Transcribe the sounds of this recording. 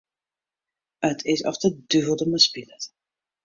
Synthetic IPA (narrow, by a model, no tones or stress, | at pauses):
ətʰɪsɔ̰ftəd̥yɦəlˠdəməspilət